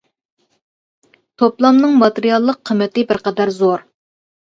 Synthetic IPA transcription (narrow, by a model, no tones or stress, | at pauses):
t̪ʰoplˠɑmnɨŋmɑt̪eɾijɑlˠːəqʰːəmːɪt̪ɪbɪɾqʰɑd̪æɾzoɾ